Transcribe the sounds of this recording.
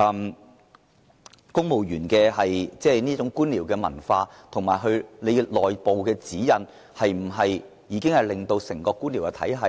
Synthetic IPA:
ɐ˨˧m | kʊ˥ŋmo˨wjyː˨˩nkɛː˧ɦɐ˨jt͡sɛː˥niː˥t͡sʊ˨˥ŋkuː˥nliː˨˩wkɛː˧mɐ̰˨˩nfaː˧t̪ʰʊ˨˩ŋmaː˨˩jɦɵ˧ɥle˨˧lɔː˨jpo˨wkɛː˧t͡siː˨˥jɐ˨n | hɐ˨jm̩˨˩ɦɐ˨j | jiː˨˧˥kɪ˥ŋhɐ˨˩jlɪ˨ŋt̪o˧wsɪ˨˩ŋkɔː˧kːuː˥nli˨˩wkɛ˧t̪ʰɐ˨˥jɦɐ˨

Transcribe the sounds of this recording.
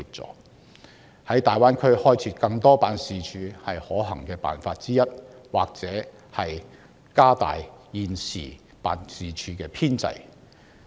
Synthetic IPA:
i˧p̚t͡sɔ̰ː˨˩k̚ | hɐ˨˥jt̪aː˨jwaː˥nkʰɵ˥ɥhɔː˥jt͡sʰiː˨˥kɐ˧ŋt̪ɔː˥paː˨˧nsiː˨˧t͡ʃʰyː˨˧hɐ˨jhɔː˨˥ɦɐ˨˩ŋkɛː˧pa̰ː˨˩nfaː˧t̚t͡siː˥jɐ˥t̚waː˨k̚t͡sɛː˨˥ | hɐ˨j | kaː˥t̪a̰ː˨jjiː˨nsiː˨˩ | paː˨nsiː˨t͡ʃʰyː˨˥kɛː˧pʰiː˥nt͡sɐ̰˧˥j

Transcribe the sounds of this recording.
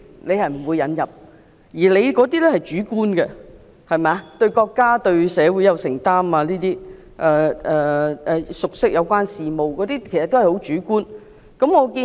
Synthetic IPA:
le˨˧jhɐ˨˩jm̩˨˩wu˨˧jːɐ˨˧njɐ˨˩p̚ | jiː˨˩le˨˧jkɔː˨˥t̪iː˥lɛ˥hɐ˨jt͡ʃyː˨˥kuː˥nɡɛ˧ | hɐ˨˩jmɛː˨˧˦t̪ɵ˧ɥkɔː˧kːaː˥t̪ɵ˧ɥsɛː˨˧wu˨˥jɐ˨˧wsɪ˨˩ŋt̪aː˥maː˧liː˥t̪iː˥ | ʔɛː˧ʔɛː˨˩ɛː˨˩sʊ˨k̚sɪ˥k̚jɐ˨˧wkʷaː˥nsiː˨mo˨wkɔː˨˥t̪iː˥kʰe˨˩sɐ˨t̪ːo˥hɐ˩jho˨˥wt͡ʃyː˨˥kuː˥n | kɐ˨˥mŋɔː˨˧kiː˧

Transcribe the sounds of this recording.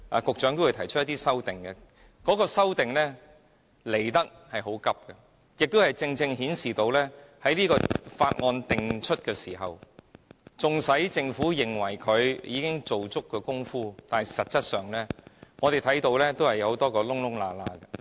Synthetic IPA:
ʔa̰ː˨kʊ˨k̚t͡ʃœː˨˥ŋt̪o˥wu˧t̪ʰɐ˨˩jt͡ʃʰɵ˥jt̪iː˥sɐ˥wt̪ɪ˨ŋɡɛ˧ | kɔː˨˥kɔː˧sɐ˥wt̪ɪ˨˩ŋlɛː˥ | le˨˩jt̪ɐ˥k̚hɐ˨jɦo˨˥wkɐ˥p̚kɛ˧ | jɪ˨k̚t̪o˥hɐ˨˩jt͡sɪ˧ŋt͡sɪ˧ŋhiː˨˥nsiː˨t̪o˧wlɛː˥hɐ˨˥jliː˥kɔː˧faː˧t̚ŋɔː˧nt̪ɪ˨ŋt͡ʃʰɵ˥t̚kɛː˧siː˨˩ɦɐ˨w | t͡sʊ˨ŋsɐ˨˥jt͡sɪ˧ŋfuː˨˥jɪ˨ŋwɐ˨˩jkʰɵ˨˧ɥjiː˨˧kɪ˥ŋt͡so˨wt͡sʊ˥kːɛː˧kʊ˥ŋfuː˥t̪aː˨nɐ˨˩sɐ˨t̚t͡sːsɐ˥t̚sœː˨ŋlɛː˥ŋɔ˨˧ɾe˨jt̪ʰɐ˨˥jt̪o˧wlɛː˥t̪o˥whɐ˨jɐ˧ho˨˥wt̪ɔː˥kɔː˧lʊ˥ŋlʊ˥ŋlaː˧laː˧ɡɐ˧

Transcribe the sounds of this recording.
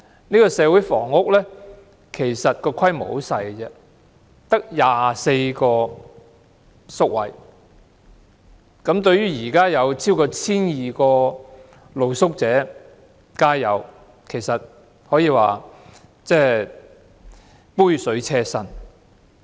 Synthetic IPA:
niː˥kɔː˧sɛː˨˧wuː˨˥jfɔ̰ː˨˩ŋːʊ˥k̚lɛː˥ | kʰe˨˩jsɐ˨t̚kɔː˧kʰɐ˥jmo̰˨˥wsɐ˧jt͡sɛ˧ | t̪ɐ˥k̚jaː˨˧se˧jkɔː˧ | sʊ˥k̚wɐ̰˨˩j | kɐ˨˥mt̪ɵ˧ɥyː˥jiː˨˩kaː˥jɐ˨˧wt͡sʰiː˥wkɔː˧t͡sʰiː˥njiː˨˩kɔː˧ | lo˨˧wsʊ˥k̚t͡sɛː˨˥ | kaː˥jɐ˨˧w | kʰe˨˩jsɐ˨t̚ | hɔː˨˥jiː˨˧wa̰ː˨ | t͡sɛː˥˩ | puː˥jsɵ˨˥ɥt͡sʰɛː˧sɐ˧n

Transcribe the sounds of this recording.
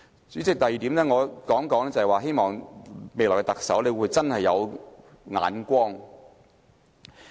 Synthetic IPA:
t͡syː˨˥t͡sɪ˨k̚t̪ɐ˨jiː˨t̪iː˨˥mnɛː˥ŋɔː˨˧kɔː˨˥ŋkɔː˨˥ŋt͡sɐ˨hɐ˨jwaː˨˧ɦe˥jmɔː˨˩ŋme˨jlɔː˨˩kɛ˧t̪ɐ˨k̚sɐ̰˨˥wne˨˧wuː˨˧jt͡sɐ˥nhɐ˨jːɐ˨˧w | ŋa̰ː˨˥nkʷɔː˥ŋ

